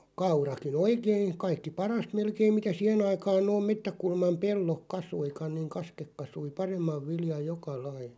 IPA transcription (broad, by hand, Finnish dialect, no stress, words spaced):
kɑurɑkin oikein̞ kɑikːi pɑrɑst melkeim mitæ sih̆en ɑikɑːn noːm̆ metːækulmɑm pelːok kɑsuikɑn̆ niːŋ kɑskek kɑsui pɑremːɑʋ ʋiljɑj̆ jokɑ lɑi